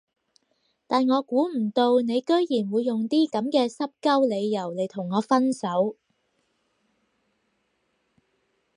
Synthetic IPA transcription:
t̪aː˨nŋɔː˨˧kuː˨˥m̩˨˩t̪o˧wne˨˧jkɵ˥ɥjiː˨˩nwuː˨˧jːʊ˨˩ŋt̪iː˥kɐ˨˥mkɛː˧sɐ˥p̚kɐ˥wle˨˧jːɐ˨˩wle˨˩jt̪ʰʊ˨˩ŋːɔː˨˧fɐ˥nsɐ˨˥w

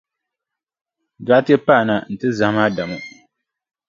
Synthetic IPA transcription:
da˨ʔa˦tɛ˦pa˦˨na˨n̩˨tɨ˦za˨˦maː˦da˨mo˦

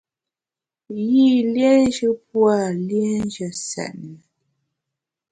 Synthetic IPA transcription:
ji˦˨lje˦n˦d͡ʒə˦p̚wa˦˨lje˦n̩˦d͡ʒə˨sɛ̰˨ʔnə˨

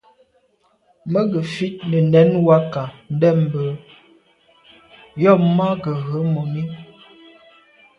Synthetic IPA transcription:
mə˦ɡə˨fi˦t̚nə˨nɛ˨˦nwa˦ka˨n̩˦dɛ˦˨m̩˨bə˨ | jɔ˦˨ma˦ɡə˨ɣə˨˦mo˨mi˦

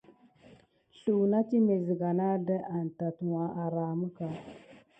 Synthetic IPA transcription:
ɬu˨na˦t͡ʃi˦me˨zi˨ɡa˨na˦də˦ʔa˨n˨ta˨tu˨wa˨˦ʔa˨ɾa˨mə˦ka˨˦

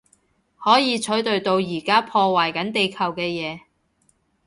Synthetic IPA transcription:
hɔː˨˥jiː˨˧t͡ʃʰɵ˨˥ɥt̪ɵ˧ɥt̪o˧wjiː˨˩kaː˥pʰɔː˧waː˨˩jkɐ˨˥nt̪e˨˧jkʰɐ˨˩wkɛː˧jɛː˨˧

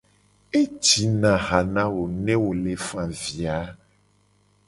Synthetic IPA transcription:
e˦t͡ʃi˨nã˨ɦa˨nã˦wo˨nɛ̃˦wo˨le˨fã˨vi˨a˨˦

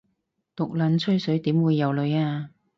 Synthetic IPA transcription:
t̪ʊ˨k̚lɐ˨˥nt͡sʰɵ˥ɥsɵ˨˥ɥt̪iː˨˥mwuː˨˧jːɐ˨˧wlɵ˨˧ɥaː˧

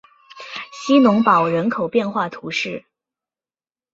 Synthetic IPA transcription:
ɕi˥nʊ˧˥ŋpɑ˨˩ʊɻə˧˥nkʰo˨˩ʊpjɛ˥˧nxwa˥˩t̪ʰu˧˥ʂɻ̩˥˩

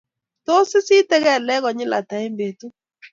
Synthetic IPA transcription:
to˦sɪ˦si˦tɛ˦ɣɛ˦˨lɛ˦ɣɔ˨ɲɪ˦la̰˨ta˨e˦mbe˨tu˦

